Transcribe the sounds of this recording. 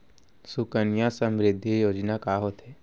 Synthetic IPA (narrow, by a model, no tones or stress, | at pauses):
sʊkənjãsə̃mɾɪd̪ʱːijoːd͡ʒnakaːɦot̪ʰeː